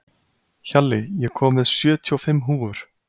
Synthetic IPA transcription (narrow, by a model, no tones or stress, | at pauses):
çalːɪjɛkʰɔːmvɛðsjœːt̪ʰiɔfɪmːɦuːʏɾ̥